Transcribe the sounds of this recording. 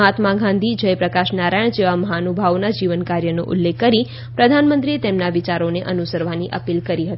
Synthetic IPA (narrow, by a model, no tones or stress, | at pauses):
ɦat̪mãɡʱãnd̪ʱid͡ʒəjpɾəkaʃnaɾajɳ̃d͡ʒeʋaməɦanubʱaʋnad͡ʒiʋənkaɾjəno̰ʔʊ̰lːekːəɾi | pɾəd̪ʱanmə̃nt̪ɾiet̪emnaʋit͡ʃaɾoneʔənusəɾʋaniʔəpilkəɾiɦət̪i